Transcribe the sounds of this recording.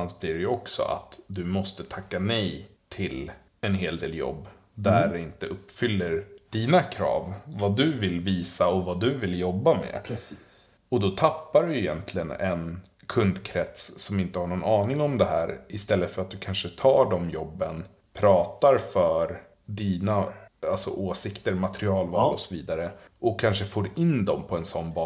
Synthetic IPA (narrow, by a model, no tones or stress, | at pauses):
ansblɪɖɛjɵɔksɔ̰ʔa̰t̪d̪ɵmɔst̪ət̪ʰakːanɛjt̪ʰɪl | ɛnɦeːld̪ḛːljɔ̰bː | d̪æɖɛɪnt̪əɵpːfʏlːəɾd̪̥iːnakʰɾɑ̰ːvvad̪ɵvɪlviːsaɔvad̪ɵvɪljɔbːamɛ̰ | ɔd̪ɔt̪ʰapːaɾɵjɪjɛnt̪ʰlɪɡənɛ̰n | kʰɵnd̪kʰɾɛt̪ssɔmɪnt̪əhaɳɔnɑːnɪŋɔmd̪ɛɦæːɾɪst̪ɛlːət̪fœɾat̪̚d̪ɵkʰanʂət̪ʰɑːɖɔmjɔbːən | pʰɾɑːt̪aɾfœɾ | d̪iːnaalsɔ̰ʔoːsɪkt̪əɾmat̪ɾɪɑːlvɑːlɔsɔviːd̪aɾə | ʔɔkʰːanʂəfoːɾɪnd̪ɔmpʰɔɛnsɔnːbɑː